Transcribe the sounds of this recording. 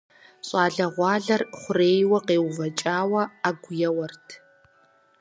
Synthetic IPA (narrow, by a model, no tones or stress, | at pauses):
ɕʼɑːɮɐʁʷɑːɮɐrχʷʊreːjwɐqeːwʊvɐt͡ʃʼaːwɐaɡʷʊjɐwɐrtʰ